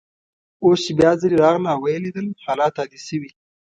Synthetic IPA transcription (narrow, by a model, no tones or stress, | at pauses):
ost͡ʃebjɑzəɾiɾɑːɣnawajeled̪əlhalɑt̪ɑd̪isəwi